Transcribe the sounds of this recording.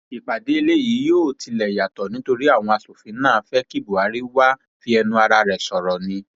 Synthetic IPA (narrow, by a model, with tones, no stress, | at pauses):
i˨k͡pa˨de˨˦i˧le˦˨ji˨˦joː˦˨ti˨˧lɛ˨ja˨tɔ˨nĩ˨˦to˧ɾi˦a˦˨w̃ɔ̃˧a˧so˨fĩ˨˦nãː˦˨˧fɛ˦ki˦˨bu˨a˨˦ɾi˦wa˦ | fi˦ɛ˧nũ˦a˧ɾa˧ɾɛ˨sɔ˨ɾɔ˨nĩ˧